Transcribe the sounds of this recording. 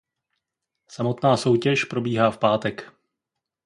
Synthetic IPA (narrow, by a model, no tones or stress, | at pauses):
samo̞t̪naːso̞wcɛʃpɾo̞biːɦaːfpaːt̪ɛk